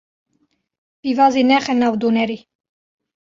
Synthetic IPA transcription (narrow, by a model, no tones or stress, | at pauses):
b̥ivazinɛχɛnavd̪unɛɾi